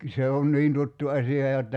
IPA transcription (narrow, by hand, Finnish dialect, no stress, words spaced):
se on niːn tutːu ɑsiɑ jotːɑ